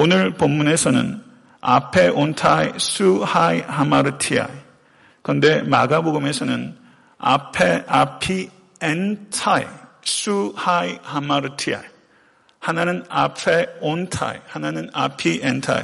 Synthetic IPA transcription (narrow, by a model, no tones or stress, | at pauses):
onɯɭpomːune̞sʰʌnɯ̰n | a̰pʰe̞ʔontʰajsuhajɦamaɾɯtʰia̰j | kɯnde̞maɡaboɡɯme̞sʰʌnɯn | a̰pʰeapʰi | entʰajsʰuhajhamaɾɯtʰia̰j | hananɯnapʰeontʰa̰jhananɯna̰pʰientʰa̰j